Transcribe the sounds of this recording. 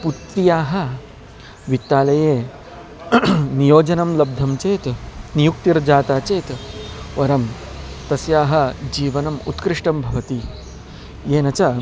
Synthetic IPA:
put̪ːijaːɦɐ̆ | ʋit̪ːaːlɐjeː | nijoːd͡ʒɐnɐmlɐb̚d̪ʱɐmt͡ʃeːt̪nijuk̚t̪iɾd͡ʒaːt̪aːt͡ʃeːt̪ʋɐɾɐmt̪ɐsjaːɦɐ̆d͡ʒiːʋɐnɐmṵt̪kɾɪʂʈɐmbʱɐʋɐt̪i | jeːnɐt͡ʃɐ

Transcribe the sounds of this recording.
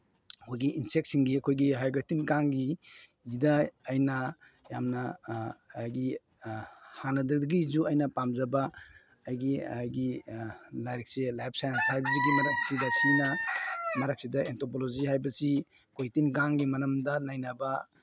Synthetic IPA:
ɐkʰojɡiinsek̚sinɡiɐkʰojɡiɦajɡatinɡaŋɡi | zidɐːjnɐ | jamnɐ | jɡi | hanɐdɐdɐɡizuɐjnɐpamzɐbaː | jɡijɡi | lajɾk̚selajp̚ʰsajanshajbɐs̬iɡimɐɾak̚sidɐsinɐmɐɾak̚sidɐentʰopolozihajbɐsi | kʰojtinɡaŋɡimɐnɐmdɐnajnaba

